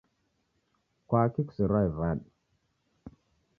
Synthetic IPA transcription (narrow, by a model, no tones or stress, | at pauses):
kʷakiksiɾajvaɗ